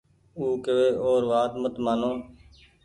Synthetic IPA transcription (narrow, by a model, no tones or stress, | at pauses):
uːkeʋeːʔoːɾʋaːt̪mət̪maːnõː